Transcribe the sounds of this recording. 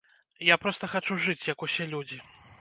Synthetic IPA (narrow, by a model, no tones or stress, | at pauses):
japɾɔst̪ɐxat͡ʂuʐɨt͡sʲjɐkusʲelʲud͡zʲi